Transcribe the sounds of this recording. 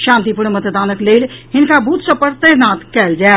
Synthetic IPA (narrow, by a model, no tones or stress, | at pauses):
ʃãːnt̪ipuɾɳmət̪ʰd̪aːnəkleːlɦɪnkabʱut̪sə̃pəɾt̪əɾnaːt̪kɛːld͡ʒae